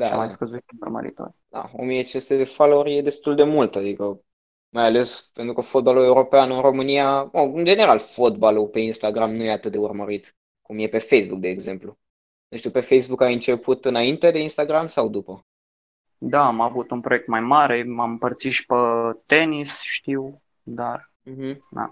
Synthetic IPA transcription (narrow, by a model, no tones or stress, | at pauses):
d̪amajskəzuʃt̪iərmə̰ɾḭt̪o̰rʲd̪a̰omiet͡ʃest̪ed̪efalorʲje̞d̪e̞st̪uld̪e̞mult̪ad̪ikə | majale̞spe̞nt̪ɾukəfo̞t̪̚balue̞uɾo̞peanɨnro̞mɨniaəɨnd͡ʒe̞ne̞ɾalfo̞t̪balupe̞inst̪aɡɾamnujeat̪ɨt̪̚d̪e̞urməɾit̪ | kumje̞pe̞fe̞jsbuk̚d̪e̞ːɡze̞mplu | nuʃt̪upe̞fe̞jsbukajɨnt͡ʃe̞pʰut̪ɨnaint̪ed̪e̞inst̪aɡɾamsawd̪upə | d̪aamavut̪unpɾojek̚t̪majmaɾe̞mamɨmpərt̪siʃi̥pət̪enisʃt̪iw | d̪ar̩ | ɦm̩d̪a̰